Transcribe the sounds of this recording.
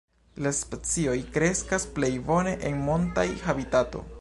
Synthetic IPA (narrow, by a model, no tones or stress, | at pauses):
laspet͡sio̞jkɾe̞skasple̞jbo̞ne̞ʔenmontajhabitato̞̰